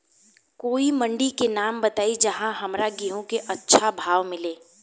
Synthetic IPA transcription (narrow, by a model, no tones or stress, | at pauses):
koːimɐ̃ɳɖikenaːmbɐt̪aːid͡ʒɐɦãɦɐmɾaɡiɦõkeʔɐtːʃʰabʱaːʋmɪleː